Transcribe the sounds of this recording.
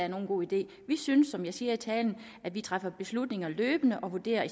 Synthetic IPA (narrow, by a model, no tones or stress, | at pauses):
æɐno̝ːnɡo̝̰ːid̥e̝̰ː | ʋisynəsːɒ̽mjɑ̈ɪsiːɐit͡sʰɛːln̩ | ʔæ̥ʋit͡sʰʁafɐb̥e̝slud̥ne̝ŋɐløːb̥ənəʔɒ̽ʋuɐd̥e̝̰ːɐi